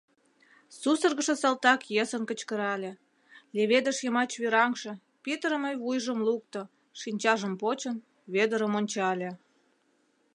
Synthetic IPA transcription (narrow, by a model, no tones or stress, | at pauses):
susə̆rɣə̆ʃə̆sɑlt̪ɑkjəsənkə̆t͡ɕkəɾɑlʲĕ | lʲeβed̪ə̆ʃjəmɑt͡ɕβiɾɑŋʃɤ̆ | pet̪ɾəməjβujʒəmluk̚t̪ŏ | ʃinʲt͡ɕɑʒəmpot͡ɕən | βed̪əɾəmonʲt͡ɕɑlʲĕ